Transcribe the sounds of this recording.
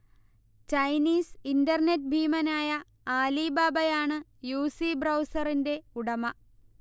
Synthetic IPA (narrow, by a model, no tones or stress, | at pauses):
t͡ɕɐjniːsindɐrnet̚ːbʱiːmɐnaːjɐ | aːlibaːbɐjaːɳɨjuːsibrɐwsɐrinde̞uɽɐmɐ